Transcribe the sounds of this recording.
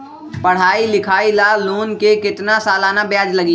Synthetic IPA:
pəɽ̤aːilɪkʰaːilaluːnkekɪt̪nasaːlaːnabjaːd͡ʒləɡi

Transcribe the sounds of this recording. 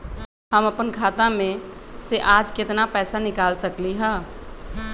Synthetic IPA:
həməpənkʰaːt̪amẽseʔaːd͡ʒkɪt̪napɛːsanɪkaːlsɐkliɦɛ̃ː

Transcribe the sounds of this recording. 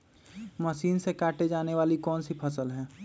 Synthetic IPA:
məʃiːnsekaːʈed͡ʒaːneʋaːlikɔːnsipʰəsəlɦɛː

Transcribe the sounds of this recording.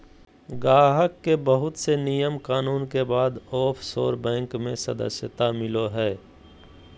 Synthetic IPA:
ɡaːɦəkːebəɦʊt̪senijəmkaːnuːnkebaːd̪ɔːpʰso̰ːɾbɛ̃ːŋkmẽsɐd̪ə̰sjət̪amɪloɦɛː

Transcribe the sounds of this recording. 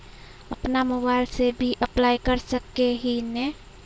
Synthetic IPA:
əpnamobaɪlsebʱiʔəplajkəɾsəkːeɦine

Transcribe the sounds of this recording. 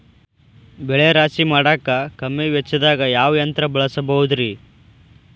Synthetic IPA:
bɛɭeɾaːsimaːɽaːkːɐkɐmːeʋjɛt͡ʃːɐd̪aːɡɐjaːʋɐjɐnt̪ɾɐbɐɭɐsɐbɐɦud̪ɾi

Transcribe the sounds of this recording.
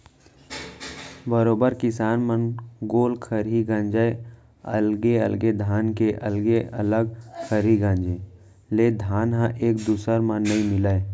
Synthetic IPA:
bəɾoːbəɾkɪsaːnmənɡoːlkʰəɾɦiɡãɲd͡ʒae | ə̰lɡeə̰lɡed̪ʱaːnkeʔɐlɡeʔə̰ləɡ̚kʰəɾiɡãːɲd͡ʒe | leːd̪ʱaːnɦãʔeːk̚d̪uːsəɾmə̃nːəĩmɪlae

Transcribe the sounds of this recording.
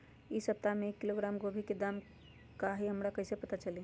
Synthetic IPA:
isəp̚t̪ameekːiloɡɾamɡobʱiked̪am | kaɦiɦəmɾakəɪsepət̪at͡ʃəli

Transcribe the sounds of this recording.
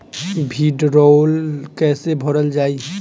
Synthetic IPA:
bʱiɖɾolkɛːsebʱɔɾəld͡ʒaːi

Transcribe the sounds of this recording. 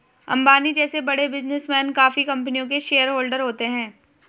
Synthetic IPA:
ɐ̰̃mbaːnid͡ʒɛːsebɐɽebɪznɪsmɛːnkaːfikɐ̃mp̬nijõk̬eʃeːjəɾɦoːlɖəɾɦoːt̪eɦɛ̃ː

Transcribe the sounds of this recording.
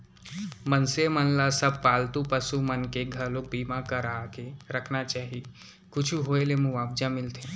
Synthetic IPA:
mənsemənlasəb̚ʱpaːlt̪ũpəsumənkeɡʱɐɾloːk̚biːmãkɐɾaːkeɾəkʰnat͡ʃaːɦie | kʊt͡ʃʰuɦoːelemũʋaːb̚d͡ʒãmɪlt̪ʰẽ

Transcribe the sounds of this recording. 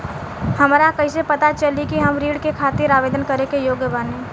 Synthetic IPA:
həmɾakəisepət̪at͡ʃəlikiɦəmɾiːɽkekʰaːt̪ɪɾaːʋeːd̪ənkəɾekejoːɡjəbaːnẽ

